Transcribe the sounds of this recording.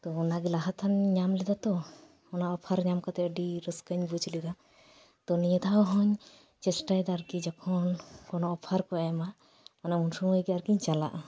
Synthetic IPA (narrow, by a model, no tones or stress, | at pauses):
t̪ɔɔnaɡilaɦat̪ʰanɲamlɛd̪at̪ɔ | ɔnaɔpʰaɾɲamkat̪ɛəɖiɾəskəɲbud͡ʒlid̪a | t̪ɔniɲəd̪awɦɔɲ | t͡ʃɛsʈajd̪aɾkid͡ʒakʰɔnkɔnɔɔpʰaɾkɔajma | manamunsuŋɔjɡɛaɾkiɲt͡ʃala̰ʔa